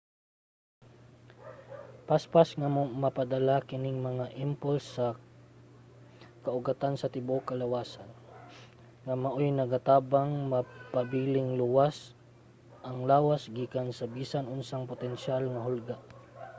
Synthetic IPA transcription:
paspasŋamɐpɐd̪ɐlakɪnɪŋmɐŋaʔɪmpʊlsːɐ | kɐʔʊɡɐt̪ansɐt̪ɪbokɐlɐwaːsan | ŋɐmɐʔojnɐɡat̪aːbaŋmɐpɐbiːlɪŋluwas | ʔɐŋlaːwasɡiːkansɐbiːsanʊnsaŋpʊt̪ɛnʃalŋɐɦʊlɡaʔ

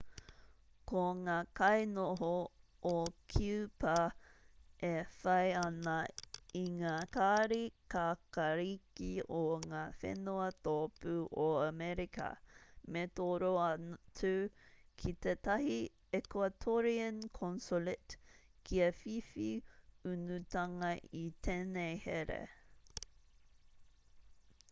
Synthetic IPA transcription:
koŋaːkɐjnoɦo | okʰiupɐ | ʔefɐjɐnɐiŋaːkaːɾikakɐɾikioŋaːfḛnuɐtoːpuʔoɐmɛɾikɐ̰met̪oɾoɐt͡sʰʉkʰit̪et̪ɐhi | ɛkwɐtʰoɾiənkʰɔnsolɪtkʰiɐfifiʉnutɐŋɐʔit̪ʰenejheɾḛ

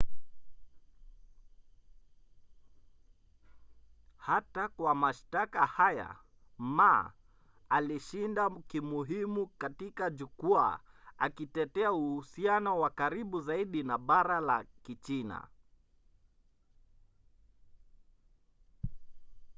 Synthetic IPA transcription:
hatakwamaʃtakahaja̰ | ma | aliʃindakimuɦimukatikaʄukua̰a̰kitɛtɛauhusianɔwakaɾiɓuzaiɗinaɓaɾalakit͡ʃina̰

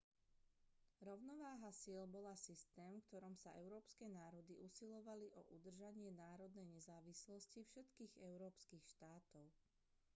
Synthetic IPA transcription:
ɾɔʊnɔʋaːɦasɪɛlbɔlasist̪ɛːmfkt̪ɔɾɔmsaʔɛʊɾɔːpskɛːnaːɾɔd̪iʔusilɔʋaliʔɔʔud̪r̩ʒaɲɪɛnaːɾɔd̪nɛjɲɛzaːʋislɔscifʃɛt̪kiːɣɛʊɾɔːpskiːxʃt̪aːt̪ɔʊ

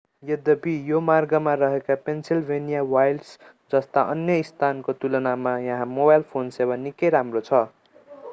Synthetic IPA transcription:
jʌd̪ʌbijomarɡʌmarʌɦekapensilbʱenijawajlɖs | d͡zʌst̪aʔʌnjʌist̪ʰankot̪ulʌnamajʌ̃ɦãmobajlpʰonsewanikʌjɾamrot͡sʰʌ

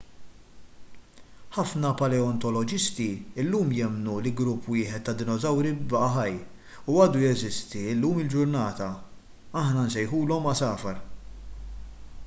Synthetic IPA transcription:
ħɐfnɐpɐlɛɔnt̪ɔlɔd͡ʒɪst̪iɪlːuːmjɛmnulɪlɡɾʊpːwɪːħɛt̪ːɐd̪ɪnɔzɐwɾibɐʔɐħɐjː | uɐːd̪ujɛzɪst̪iɪlːuːmɪld͡ʒʊɾnɐːt̪ɐ | ɐħnɐnsɛjħuːlɔmːɐsɐːfɐɾ

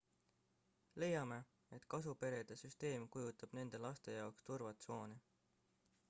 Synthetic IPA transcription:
le̞jːɑme̞ | e̞t̪kɑs̬upe̞ɾe̞d̪̥esyst̪e̞ːmkujut̪ːˑɑb̥ne̞nd̪̥e̞lɑst̪e̞jɑokst̪urvɑt̪so̞ːni

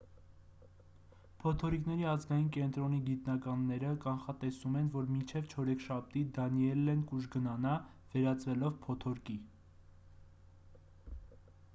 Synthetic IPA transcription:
pʰɔt̪ʰɔɾiknɛɾiɑzɡɑjinkɛnt̪ɾɔniɡit̪nɑkɑnːɛɾəkɑnχɑt̪ɛsumɛnvɔɾmint͡ʃʰɛvt͡ʃʰɔɾɛkʰʃɑp̚t̪id̪ɑniɛlːɛnkuʒɡənɑnɑ | vɛɾɑt͡svɛlɔvpʰɔt̪ʰɔɾki

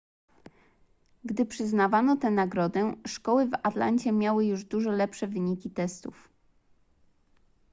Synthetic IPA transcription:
ɡd̪ɘpʂɘznavanɔt̪ɛnaɡɾɔd̪ɛʂkɔwɘvat̪la̰ɲt͡ɕɛmʲjawɘjuʐd̪uʐɛlɛpʂɛvɘɲikʲit̪ɛst̪uf

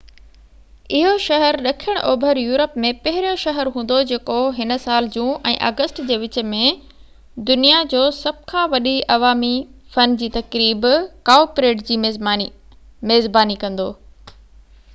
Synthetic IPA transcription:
ɪɦoʃɐɦəɾɗɐkʰijəɽ̃ʔoːbʱəɾjuːɾəpmẽpɐɦɪɾijoʃɐɦəɾɦũːn̆d̪od͡ʑeːkoɦɪnə̆saːld͡ʑũːʔɛ̰̃ːʔɐ̰ɡəsʈd͡ʑeːʋɪt͡ɕ̆mẽ | d̪ʊnijad͡ʑoːsɐb̚kʰãːʋɐɗiʔɐʋaːmifɐnd͡ʑiːt̪ɐkɾiːbkaːpɾeːʈd͡ʑiː | meːzbaːnikɐ̃nd̪oː

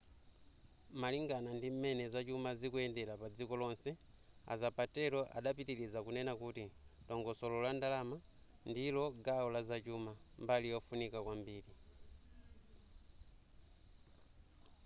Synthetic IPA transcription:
maliŋɡanandim̩mɛnɛzat͡ʃumazikuɛndɛɾapad͡zikɔlɔnsɛ | a̰zapatɛlɔʔa̰ɗapitiɾizakunɛnakutitɔŋɡɔsɔlɔlandalama | ndilɔɡaɔlazat͡ʃumambalijɔfunikakwambiːli

